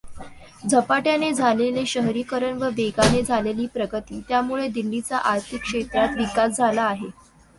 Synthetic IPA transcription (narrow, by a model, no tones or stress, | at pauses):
d͡zʱəpaʈjaned͡zʱaleleɕəɦɾiːkəɾəɳʋəʋeɡaned͡zʱaleliːpɾəɡət̪iːt̪jamuɭed̪ilːit͡saʔaɾt̪ʰikʂet̪ɾat̪ʋikasd͡zʱalaːɦe